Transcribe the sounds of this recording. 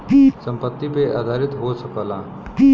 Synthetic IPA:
isə̃mpət̪ːipeʔaːd̪ʱaːɾɪt̪ɦosəkəlaː

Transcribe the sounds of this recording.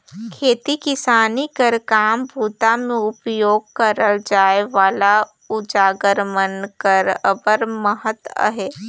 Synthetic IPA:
kʰeːt̪ikɪsaːnikəɾkaːmbʱuːt̪amẽʊpjoːɡ̚kəɾəld͡ʒaːeʋaːla | ʊd͡ʒaːɡəɾmənkəɾəbəɾməɦət̪ə̰ɦeː

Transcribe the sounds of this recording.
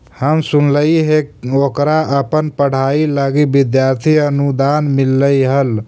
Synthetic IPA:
həmsunləiɦekokɾaʔəpənpəɽ̤ailaɡibid̪jaːɾt̪ʰiənud̪aːnmilːəiɦəl

